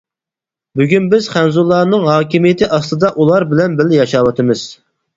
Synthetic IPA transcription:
byɡʲynbɪzχænzulˠːɑːnɨŋɦɑːkʲimijɪt̪ʰɪʔɑst̪ɨd̪ɑʔulˠɑɾbɪlɛnbɪlɪjɑʃɑwɑt̪ʰɨmɨz̥

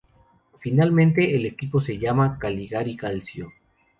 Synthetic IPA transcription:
finalmẽnt̪̬e̞ːle̞kipo̞se̞ʝamakaliɣaɾikalsjo

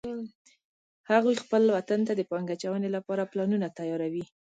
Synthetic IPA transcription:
haɣujxpəlwat̪ant̪ad̪əpɑŋɡat͡ʃawənelapɑɾaplɑnunat̪ajɑɾawi

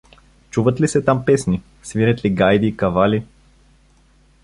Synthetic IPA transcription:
t͡ʃuvət̪lisɛt̪ampɛsni | sviɾət̪liɡajd̪iːkɐvali

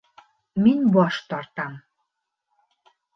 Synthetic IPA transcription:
menʲboɑʃt̪ɑrt̪ɑm

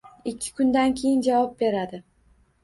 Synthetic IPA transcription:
ɪkʲʰːɪ̥kʰʊnd̪ankʲʰejɪnd͡ʒavɒp̚be̞ɾad̪ɪ

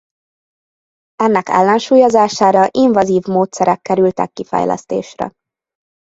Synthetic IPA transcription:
ɛnːɛkɛ̰lːɛnʃuːjozaːʃaːɾɒʔiɱvɒziːvmoːt̪sɛɾɛkːɛɾylt̪ɛkːifɛ̰jlʔɛ̰st̪ḛːʃrɛ̰

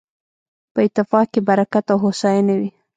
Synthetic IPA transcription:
pəɪt̪ːɪfɑkebaɾakat̪awɦosɑjanawi

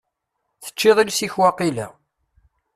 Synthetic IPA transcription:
θə̥t͡ʃːɪðˤilsiçwaqilæ̰

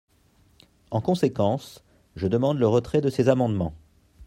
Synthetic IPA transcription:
ɑ̃kɔ̃sekɑ̃s | ʒəd̪əmɑ̃d̪ləʁət̪χɛd̪əsezamɑ̃d̪mɑ̃

